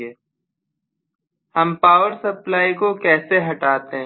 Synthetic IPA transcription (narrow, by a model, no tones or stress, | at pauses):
eː | hɐmpaːʋəɾsɐplaːikokɛːseɦɐʈaːt̪eɦɛ̃